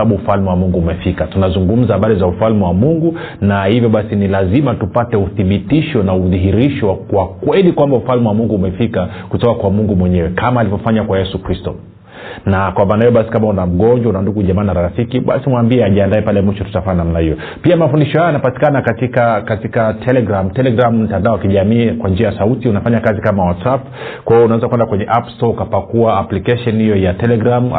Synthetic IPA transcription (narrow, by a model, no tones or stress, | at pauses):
aɓuːfalmɛwamuŋɡuːmɛfikatunazuŋɡum̩zahaɓaɾizaufalmɛwamuŋɡu | nahivjɔɓasinilazimatupatɛuθiɓitiʃɔnauðiɦiɾiʃɔkwakwɛlikwambaufalmɛwamuŋɡuːmɛfikakutɔkakwamuŋɡumwɛɲɛwɛkʰamaːlivɔfaɲakwajɛsukɾistɔ̰ | nakwamaːnahijɔɓasi̥kamaunam̩ɡɔnd͡ʒwaunanduɡuʄɛmanaɾaɾafikiɓa̰simwambiɛaʄiandaɛpalɛmwiʃɔtu̥tafaːnamnahijɔ | piamafundiʃɔhajanapati̥kanakatikakatikatʰɛlɛɡɾam̩tɛlɛɡɾamum̩tandaɔwakiʄamiːkwand͡ʒiajasautiunafaɲakazikamawatsaf | kwaiɔunawɛzakuwɛndakwɛɲɛʔapstɔkapakuaːplikɛʃɔnhijɔjatɛlɛɡɾam